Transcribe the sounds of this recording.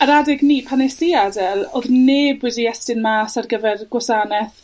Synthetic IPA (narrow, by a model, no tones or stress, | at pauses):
aɾadɪɡniːpʰanɛsiadɛlˠoðneːbwɪdiɛstɪnmaːsarɡəvɛrɡwɔsaːnɛθ